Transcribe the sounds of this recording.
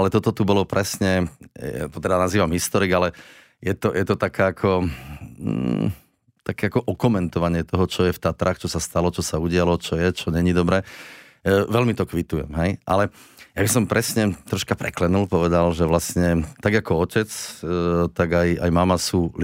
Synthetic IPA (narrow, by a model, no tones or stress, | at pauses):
alɛt̪ɔt̪ɔt̪ubɔlɔpɾʔɛsɲɛ | t̪ɔt̪ɛd̪anaziːʋamɦist̪ɔɾiɡalɛ | jɛt̪ɔjɛt̪ɔt̪akʰaːakʰɔ | t̪akɛakɔʔɔkɔmɛnt̪ɔʋaɲɪɛt̪ɔɦɔt͡ʃɔjɛft̪aːt̪ɾaxt͡ʃɔsast̪alɔt͡ʃɔsauɟɪalɔt͡ʃɔjɛt͡ʃɔɲɛɲid̪ɔbɾɛː | ʋɛlmit̪ɔkʋit̪ujɛ̰mɦɛjʔalɛ | jabisɔmpɾɛsɲɛt̪ɾɔʃkapɾɛklɛnulpɔʋɛd̪alʒɛʋlasɲɛt̪aɡakɔɔcɛt͡s | t̪aɡaja̰jmamasuːl